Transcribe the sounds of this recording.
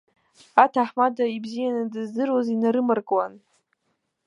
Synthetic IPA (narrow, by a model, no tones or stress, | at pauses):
atʰaħmadaibzijanɨdɨzdɨrwazinaɾɨmarkʼwan